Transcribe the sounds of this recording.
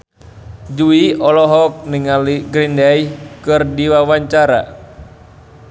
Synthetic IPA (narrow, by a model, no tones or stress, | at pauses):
d͡ʒuiɔlɔɦɔk̚niŋaliɡɾindaikɨrdiwawaɲt͡ʃaɾa̰